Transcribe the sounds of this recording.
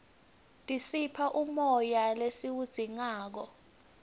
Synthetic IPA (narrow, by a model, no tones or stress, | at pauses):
tʼisipʰaʔumɔjalesiwud̥z̥ʱiŋaːk̬ɔ